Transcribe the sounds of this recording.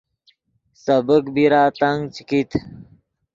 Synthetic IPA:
səbəkbiɾaːt̪aŋɡt͡ɕkit̪ʰ

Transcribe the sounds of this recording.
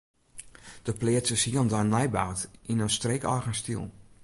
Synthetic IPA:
d̥əplɪətsəsiəlˠndanlɛjbaːtinənstrekɔ̰rɣənstḭlˠ

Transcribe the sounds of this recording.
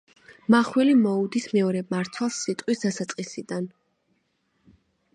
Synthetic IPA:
maχwɛlimɔud̪ismɛɔɾɛmaɾt̪ʰwalˠsːit̪ʼqʼwisd̪asat̪sʼqʼisid̪an

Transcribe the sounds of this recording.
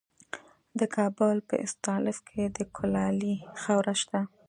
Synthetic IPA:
d̪əkʰɑbʊlpə̰ʔɪ̰st̪ɑlɪfkʰed̪əkʰʊlɑlixawɾaʃt̪a

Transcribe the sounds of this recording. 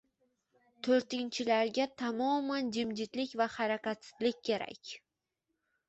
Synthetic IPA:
t̪ʰoɾt̪ɪnt͡ʃʰɪlaɾɡʲat̪ʰamɒmand͡ʒɪmd͡ʒɪt̪lɪkʲvahaɾakʲat̪sɪzlɪkʲʰːe̞ɾa̰kʲ

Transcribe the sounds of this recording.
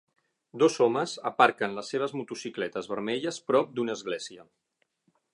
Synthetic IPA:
d̪ozɔməzəpaɾkənləsːeβ̞əzmut̪usiklɛt̪əzβəɾmɛʎəspɾɔp̚d̪unəːzɣlɛziə

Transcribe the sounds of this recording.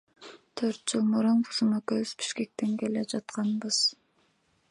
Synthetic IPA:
t̪ʰøɾt̪̚d͡ʒɯlˠmuɾunbʰuzumɑkøβyz̥bi̥ʃke̞k̚t̪e̞ŋkeled͡ʒɑt̪qɑnbɯz̥

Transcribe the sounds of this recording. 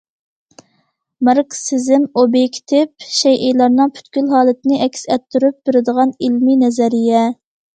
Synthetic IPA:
məɾksɪzɪmobikʲʰt̪ʰɪp̚ʃɛjʔejlˠɑɾnɨŋpʰy̥t̪kʲylɦɑːlˠɨt̪ɪnɪʔɛkʲsɛt̪ʰːyɾyp̚beɾɪd̪əʁɑnilminɛzɛɾijɛ

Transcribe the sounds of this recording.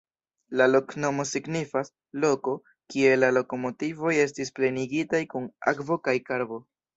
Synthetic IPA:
lalo̞kno̞mo̞siɡnifas | lo̞ko̞ | kie̞lalo̞ko̞mo̞tivo̞je̞s̬tisple̞niɡitajkuna̰kvo̞kajkaɾbo̞

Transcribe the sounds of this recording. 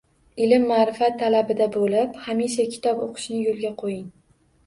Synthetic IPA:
ɪlɪmːaɾɪfat̪ʰːalabɪd̪abolɪphamiʃakʲʰɪ̥t̪ʰɒpoqʰɨ̥ʃnɪjolˠɡʲaqʰojɪŋ

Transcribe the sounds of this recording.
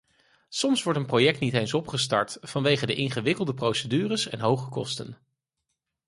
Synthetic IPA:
sɔmsʋɔɹtənprojɛk̚tnitejnsɔpχəstɑ̰ɹtfɑnʋejχədəʔɪnχəʋɪkəlˠdəprowsədyːrəsɛnɦowχəkɔ̰stən

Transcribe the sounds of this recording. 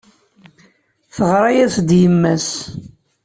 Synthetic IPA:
θəʁɾˤɑjæsd̪jəmːæs

